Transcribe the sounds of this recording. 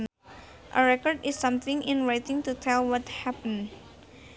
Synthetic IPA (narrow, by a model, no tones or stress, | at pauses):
ʔə̰ɹɛkɔrdɪsːʌ̃mθɪ̃ŋʔɪ̃nɹajt̪ɪ̃ŋt̪ut̪ʰɛlwɔthæpə̃n